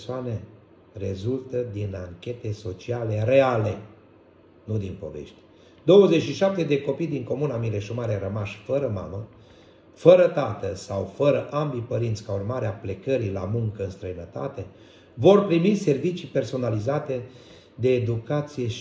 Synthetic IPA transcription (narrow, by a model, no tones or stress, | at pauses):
soane̞ | re̞zult̪əd̪inaŋkʲe̞t̪e̞so̞t͡ʃiale̞re̞ale̞ | nud̪inpo̞̰vḛʃt̪ʲe | d̪o̞wəzeʃiʃap̚t̪e̞d̪e̞ko̞pijd̪iŋko̞munamiɾeʃomaɾeɾəmaʃfəɾəma̰mə | fəɾət̪at̪əsawfəɾəʔambipəɾint̪sʲkaurmaɾeaple̞kəɾila̰muŋkəɨnst̪ɾəinət̪a̰t̪e̞ | vo̞rpɾimise̞rvit͡ʃipe̞rso̞nalizat̪e̞ | d̪e̞ːd̪ukat̪sije̞